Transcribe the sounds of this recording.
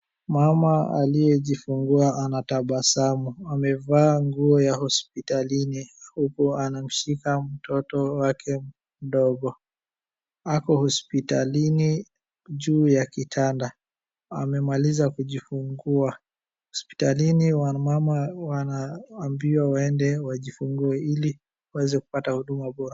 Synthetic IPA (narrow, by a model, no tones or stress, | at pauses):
mamaa̰lijɛʄifuŋɡuaʔanataɓasamuamɛvaːŋɡuɔjahɔspitalinihukuanam̩ʃikam̩tɔtɔwakʰɛ | m̩ɗɔɡɔ | akɔhɔspitalini | ʄuːjakitʰanda | amɛmalizakuʄifuŋɡua | hɔspi̥taliniwamamawanaːmbiwawɛndɛwaʄifuŋɡuɛili | wawɛzɛku̥patahuɗumaɓɔɾa